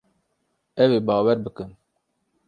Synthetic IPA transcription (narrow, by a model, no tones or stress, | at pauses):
ɛweːbɑːwɛɾbɨkɨn